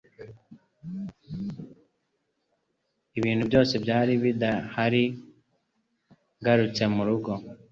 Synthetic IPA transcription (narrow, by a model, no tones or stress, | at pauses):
iβiːn̤ubjo̞ːse̞bjaːɾiβid̪ahaɾi | ɡaɾut͡se̞muɾuɡo̞